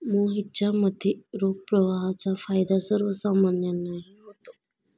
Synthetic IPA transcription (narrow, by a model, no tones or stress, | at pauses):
moɦitːɕaməd̪ʱːeɾoɡ̚pɾəʋaɦat͡safajd̪asəɾʋəsamanjənaɦiɦot̪o